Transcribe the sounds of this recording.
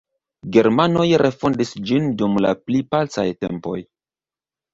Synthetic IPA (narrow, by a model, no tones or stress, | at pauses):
ɡe̞ɾmano̞jɾʔe̞fondisd͡ʒindumla̰plipalt͡sa̰jte̞̰mpo̞̰j